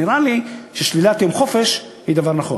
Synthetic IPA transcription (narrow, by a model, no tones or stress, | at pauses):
iɾaliʃeʃlilat̪jomχo̞fe̞ʃ | hid̪avaʁnaχo̞̰